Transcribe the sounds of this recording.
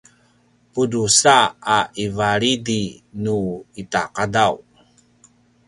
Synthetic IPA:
pudusaaivaɾidinuitaqadaw

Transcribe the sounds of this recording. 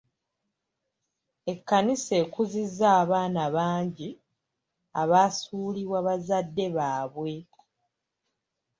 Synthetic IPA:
e̞kːanise̞ːkuzizːaːβaːnaβaːɲɟi | aβaːsuːliβwaβazadːe̞βaːβwe̞

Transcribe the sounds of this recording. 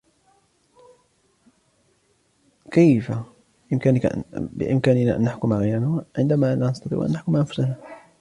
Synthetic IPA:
kajfa | ʔɪmkaːnɪ̰bɪ̰ʔɪmkaːnɪna̰ʔa̰nːaħkʊmaɣajɾanaʕɪnd̪amalanɑst̪ˤɑt̪ˤḭːʔʔa̰nːaħkʊmaʔanfʊ̥sana

